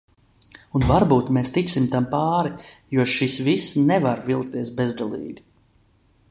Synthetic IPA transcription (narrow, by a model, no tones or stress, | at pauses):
unvaɾbuːt̪meːst̪iksimt̪ampaːɾijuɔʃisvisnɛvaɾvilˠk̚t̪iɛsbezd̪alˠḭːɡi